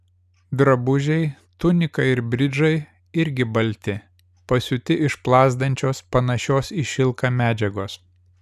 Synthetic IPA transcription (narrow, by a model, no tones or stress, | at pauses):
d̪ɾɐbʊʒʲɛɪ | t̪ʊnʲɪkɐɪɪɾbʲɾʲɪd͡ʒɐɪ | ɪɾʲɡʲɪbɐlʲt̪ʲɪ | pɐsʲʊt̪ʲɪʔɪʃplˠɑːzd̪ɐnʲt͡ʃʲoːspɐnɐʃʲoːsɪʃʲɪlˠkɑmʲæːd͡ʒʲɛɡoːs